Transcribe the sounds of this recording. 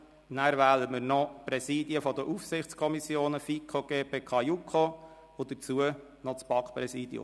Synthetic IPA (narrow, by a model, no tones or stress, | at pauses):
næːɾvæːləmɪɾnɔpɾɛsiːdiəfɔd̪əʔufsɪχt͡skʰɔmisjoːnəfikʰoɡ̥eːpeːkʰɑjukʰo | od̪ət͡suə | nɔt͡sb̥ɑkpɾɛsiːd̥̪jʊ̰